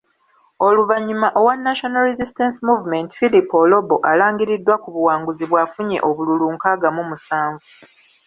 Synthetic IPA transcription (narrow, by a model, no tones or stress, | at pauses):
o̞luvaɲːumaʔowanːaʃonaɾezistensimuːvume̞nti̥filipo̞lo̞bo̞ʔalaːŋɡiɾidːwakuβuwaːŋɡuziβwaːfuɲe̞̰ʔo̞βululuːŋkaɡamumusaːɱvu